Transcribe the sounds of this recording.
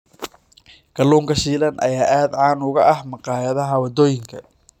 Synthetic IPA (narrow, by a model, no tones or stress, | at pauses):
ɡ̥ɐluːŋkʰɐʃiːlɐnʔɐ̰jaːʔaːd̪ʕaːnʊɣɐʔɐhmɐqɑːjɐðɐɦɐwɐd̪ɔːjɪŋkʰɐ